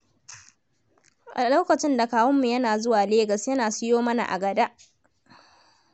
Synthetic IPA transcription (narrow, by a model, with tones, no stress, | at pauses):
ʔa˨lo˦kɐ˨t͡ʃɪ˦nda˨kaː˦wɐ˦mːu˨jɐ˦naː˨zʊ˦waː˨leː˦ɡɐ˨sjɐ˦naː˨sɪ˦joː˦mɐ˦na̰˨ʔa̰˨ɡɐ˨da˦ʔ